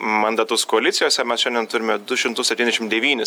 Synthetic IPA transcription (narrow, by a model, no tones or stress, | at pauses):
mɐnd̪ɑt̪ʊskoːɐlʲɪt̪sʲɪjoːsʲɛmʲɛsʃʲɛnʲd̪ʲɛnt̪ʊɾʲɪmʲɛd̪ʊʃʲɪmt̪ʊsʲɛp̪ʲinʲd̪ʲɛʃɪmdʲɛʋʲiːnʲɪs